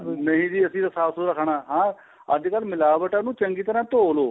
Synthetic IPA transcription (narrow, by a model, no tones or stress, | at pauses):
nəɦĩːd͡ʒ̪iːəsĩːt̪əsaːsoɾəkʰɳaːɦãː | əd̪kəlmɪlaːbəʈaːnũːt͡ʃəŋɡiːt̪əɾãːt̪oːloː